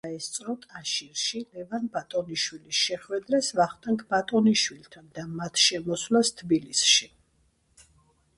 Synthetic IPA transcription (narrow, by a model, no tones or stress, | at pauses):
aɛst̪sʼɾɔt̪ʼaʃiɾʃilɛvanbat̪ʼɔniʃwilisʃɛχwɛd̪ɾasvaχt̪ʼɛŋkʰbat̪ʼɔniʃwilt̪ʰand̪amat̪ʰʃɛmɔswlast̪ʰbilisʃi